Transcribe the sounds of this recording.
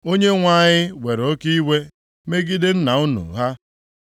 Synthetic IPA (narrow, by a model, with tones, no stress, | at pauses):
o˦ɲe˦ŋʷa˦˨ɲɪ˦we˨ɾo˦ki˦i˦we˦ | me˦ɡi˦dɪ˦n̩˦na˨ʊ˦nṵ˨ɦa˦